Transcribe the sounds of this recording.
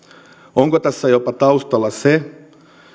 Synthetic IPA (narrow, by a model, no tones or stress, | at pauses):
oŋkot̪æsːæjopɑt̪ɑust̪ɑlːɑse